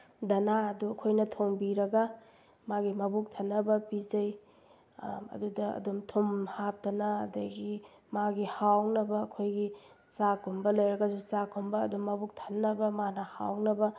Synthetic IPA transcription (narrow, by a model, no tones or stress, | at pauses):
dɐnaɐduɐkʰojnɐtʰoŋbiɾɐɡɐ | maɡimɐbuk̚tʰɐnːɐbɐpizɐj | ɐ̰dudɐɐ̰dumtʰomhap̚dɐnaɐ̰dɐɡi | maɡihawnɐbɐːkʰojɡi | sakʰumbɐlojɾɐɡɐsusakʰumbɐːdumːɐbuk̚tʰɐ̥nːɐbɐmanɐha̰wnɐbɐ